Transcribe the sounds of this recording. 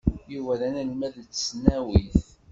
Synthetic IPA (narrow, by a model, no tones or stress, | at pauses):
juvæɾænælmæðt͡sːsːnæwiθ